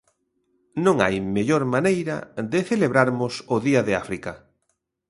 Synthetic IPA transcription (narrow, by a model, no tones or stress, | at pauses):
nõŋa̰jmeʎoɾmanejɾɐ̰ðɪθeleβɾaɾmʊsʊðiɐðɪafɾika